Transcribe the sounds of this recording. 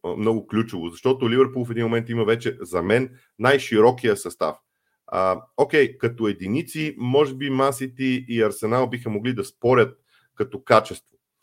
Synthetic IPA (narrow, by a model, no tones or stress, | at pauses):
mnɔɡʊklʲut͡ʃovʊzɐʃt̪ɔt̪ʊlivɛɾpulˠfɛd̪inmomɛnt̪imɐvɛt͡ʃɛzɐmɛnː | ajʃiɾɔkijəsɐst̪a̰f | əokɛjkɐt̪oɛd̪init̪simɔʒɛbimasit̪ɛiɐɾsɛnalˠbixəmoɡlid̪ɐspɔɾʲət̪̚ | kɐt̪ɔkat͡ʃɛst̪vo̥